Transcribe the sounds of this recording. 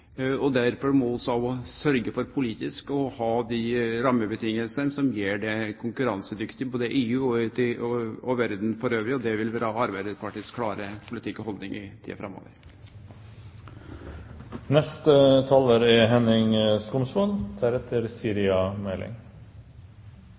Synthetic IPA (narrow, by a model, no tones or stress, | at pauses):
ɔd̪æɾfɔmɔɔsɔɑʋɔsœɾɡəfɔɾpʰʊliːt̪ɪskɔhɑːd̪iɾɑmːəbət̪ʰɪŋːəlsənsɔmjeːɖɛkʰʊŋkʉɾɑnsəd̪ʏkt̪ɪboːd̪əʔeːʉːɔt̪ɪɔʋæɾd̪n̩fɔɾøːʋɾɪɔd̪ɛʋɪlʋɪɾɑɑɾbæɪd̪əpʰɑʈɪskʰːlɑːɾəpʰʊlɪt̪ʰɪkːɔhɔld̪nɪŋʔɪt̪ʰḭːɑ̰fɾʔɑmːo̰ːʋə̰ɾ | nɛst̪ət̪ʰɑːləɾɛɦɛnɪŋskʊmsmɔnt̪ʰæɾɛt̪ʰːəɾsiːɾɪɑmɛlʔɪ̰ŋ